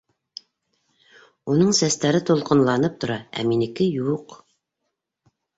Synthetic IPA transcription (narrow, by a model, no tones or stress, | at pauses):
unɤɴsæst̪æɾɘt̪ulˠqɤ̆nlˠɑnɤp̚t̪ŏɾɑæ̰minɘ̆kɘjuq